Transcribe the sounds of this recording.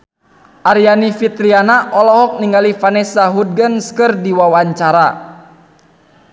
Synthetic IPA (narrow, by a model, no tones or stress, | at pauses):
ʔaɾijanifit̪ɾianaʔɔlɔɦɔk̚niŋɡalifanɛsaɦud̪̚ɡənskərdiwawaɲt͡ʃaɾa